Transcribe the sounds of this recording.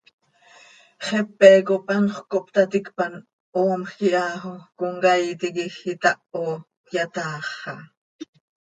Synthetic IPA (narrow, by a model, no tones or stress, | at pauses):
χɛpːɛːkopɑnχkoʔpt̪ɑt̪ikpɑn | oːmxiʔɑːxokoŋkɑjt̪ikixit̪ɑʔo | jat̪ɑːχːɑ